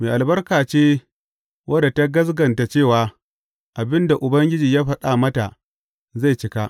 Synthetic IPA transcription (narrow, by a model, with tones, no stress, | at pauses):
meː˨ʔa˨lbɐ˦rkaː˨t͡ʃeː˦ | wʔɐ˦da˨ta˦ɡɐ˦sɡɐ˨nta˨t͡ʃeː˦˨waː˨ | ʔa˨bɪ˦nda˨ʔʊ˨bɐ˦ŋɡʲɪ˦d͡ʒiː˨jaː˦ɸɐ˦ɗaː˨mɐ˦ta˨ | za˦˨jt͡ʃɪ˦ka˦ʔ